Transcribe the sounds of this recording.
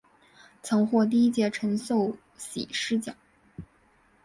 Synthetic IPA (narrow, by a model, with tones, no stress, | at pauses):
t͡sʰɤ˧˥ŋxwɔ˥˧t̪̬i˥˧i˥t͡ɕjɛ˥˩ʈ͡ʂʰə˧˥nɕo˥˩ʊ | ɕḭ˨˩ʂɻ̩˥t͡ɕjɑ̰˨˩˦ŋ